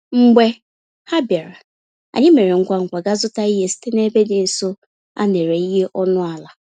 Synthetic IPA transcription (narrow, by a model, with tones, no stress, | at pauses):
ŋ͡m̩˨ɡ͡be˦ | ha˦bja˨ɾa˨ | a̰˨ɲɪ˦me˨ɾe˨ŋ̩˦kʷa˦ŋ̩˨kʷa˨ɡa˦zʊ˦ta˦i˦ɦe˦si̥˦te˦ne˦be˦dɪ˨n̩˨so˦ | a̰˦ne˨ɾe˨i˦ɦe˦ʔɔ˦nʊ˦a˨la˨